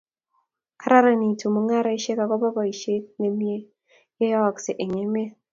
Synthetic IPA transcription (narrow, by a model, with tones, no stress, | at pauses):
ka˦ɾa˦ɾa˨ni˨tʰu˨mo˨˦ŋa˦ɾɔ˦i˦ʃe˦ka˨kɔ˦bɔ˦bɔ˨i˨ʃe˦k̚ne˨mi˦e˦ | je˦jɔ˦˨kse˨ʔe˨ɲe˨me˦